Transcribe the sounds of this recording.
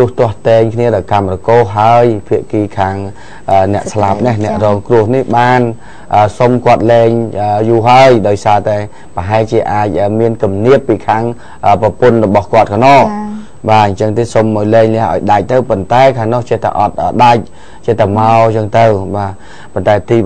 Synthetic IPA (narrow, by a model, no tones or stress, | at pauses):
t̪ʊəht̪ŏəht̪eːŋkʰniəɗɑɔkamrɔkoːɦaəjpʰiəʔkiːkʰaːŋ | ʔəːnɛ̆əʔslap̚nahnɛ̆əʔrɔːŋkrʊəhnihɓaːn | ʔəːsomkŏət̪̚lɛːŋʔəjuːɦaəjɗaɔjsaːt̪aɛ | pəɦaɛlt͡ɕiəʔaːc̚ʔəːmiənkumniəpːiːkʰaːŋ | ʔəːpɑpʊnrɔɓɑhkŏət̪̚kʰanɔːʔ | ɓaːɨɲt͡ɕəŋt̪eːsomʔaɔjlɛːŋlɛ̆əhʔa̰ɔjɗac̚t̪əwpont̪aɛkʰaːŋnɔht͡ɕɛht̪a̰ʔɑt̪̚ʔəːɗac̚ | t͡ɕɛht̪amaɔt͡ɕəŋt̪əwɓaː | pont̪aɛt̪iː